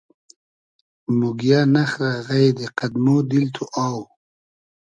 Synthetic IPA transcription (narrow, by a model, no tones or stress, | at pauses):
muɡjanaxɾaɣajd̪eqad̪mod̪ilt̪ʰuʔaːw